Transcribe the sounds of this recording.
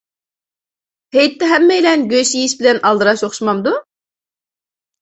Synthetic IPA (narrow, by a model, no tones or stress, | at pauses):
hejt̪ʰːɛɦɛmːɛjlɛnɡʲøʃijiʃbɪlɛnɑlˠd̪ɨɾɑʃoχʃmɑmd̪u